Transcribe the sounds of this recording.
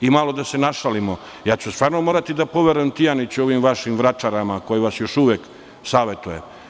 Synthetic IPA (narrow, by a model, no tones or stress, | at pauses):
imalo̞d̪ase̞naʃalimo | jaːt͡ɕust̪ʋaːɾno̞moːɾat̪id̪apo̞ʋeɾemt̪ijanit͡ɕuoʋimʋaʃimʋɾat͡ʃaɾamako̞jiʋasjo̞ʃuʋjek | saːʋe̞t̪ujḛ